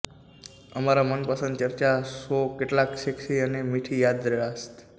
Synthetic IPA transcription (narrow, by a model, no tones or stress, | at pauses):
əmaɾamənpəsənd̪t͡ʃəɾt͡ʃasokeʈlakʃekʃiənemiʈʰijad̪ɾəɭast̪